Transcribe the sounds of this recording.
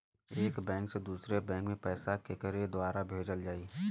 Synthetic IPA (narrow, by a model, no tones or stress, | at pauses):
eːkbɛ̃ːŋksed̪uːsɾebɛ̃ːŋkmẽpɛːsakekəɾed̪ʊwaːɾabʱeːd͡ʒəld͡ʒaːiː